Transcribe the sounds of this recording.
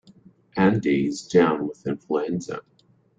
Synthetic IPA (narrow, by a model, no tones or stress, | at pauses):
ʔæ̃ndizdãʊ̃nwəðɪ̃nfluɛ̃nzə̰